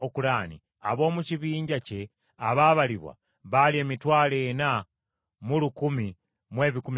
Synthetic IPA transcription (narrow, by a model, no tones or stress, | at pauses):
okulanḭ | a̰βo̞ːmuciβiːɲɟace̞ | aβaβaliβwa̰ | βalie̞ːmitwaːle̞na | mulukumi | mwe̞ːβikum